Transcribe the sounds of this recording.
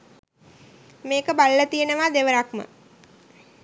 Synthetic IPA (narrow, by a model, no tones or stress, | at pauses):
meːkəbalələt̪ijənəʋaːd̪eʋəɾakmə̰